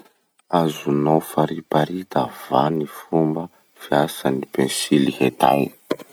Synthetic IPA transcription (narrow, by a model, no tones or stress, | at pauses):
azunofaɾipaɾit̪av̥anifumbə | fiasanipẽnsilihet̪a̰j